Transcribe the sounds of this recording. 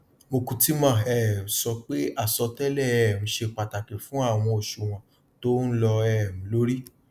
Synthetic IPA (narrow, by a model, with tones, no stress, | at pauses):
mo˧kũ˧ti˦mã˦˨ɛ˨m̩̃˨˦sɔ˧k͡pe˦a˦˨sɔ˧tɛ˦lɛ˦˨ɛ˨m̩̃˨˦ʃe˧k͡pa˨ta˨ke˨fũ˨˦a˦˨w̃ɔ̃˧o˨ʃu˨w̃ɔ̃˧ | to˦n̩˦lɔ˧ɛ˨m̩̃˨˦lo˦ɾi˦